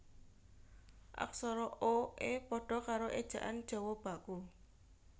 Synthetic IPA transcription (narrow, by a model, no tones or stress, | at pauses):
ʔa̰ksɔɾɔoʔepɔɖ̥ɔ̤kaɾoʔed̥ʒ̥ä̤ʔand̥ʒ̥ɔ̤wɔb̥a̤ku